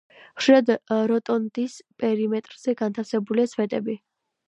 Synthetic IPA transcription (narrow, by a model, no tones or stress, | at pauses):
χʃiad̪ɾɔt̪ʼɔnt̪ʼispʼɛɾimɛt̪ʼɾz̥ɛɡant̪ʰafsɛbuliasvɛt̪ʼɛbi